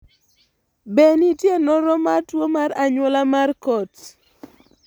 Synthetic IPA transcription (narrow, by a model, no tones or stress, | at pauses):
benitjenɔɾɔmartwomaɾaɲwɔlamarkɔt